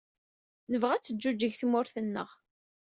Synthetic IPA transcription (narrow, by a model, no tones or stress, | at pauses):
nəvʁæt͡sːəd͡ʒːud͡ʒːəʝθmʊɾθənːə̰ʁ